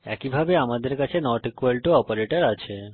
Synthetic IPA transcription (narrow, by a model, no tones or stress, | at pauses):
ɛ̰kibʱabeamad̪eɾkat͡ʃʰenɔɾʈikuʋalʈuɔpoɾeʈəɾat͡ʃʰe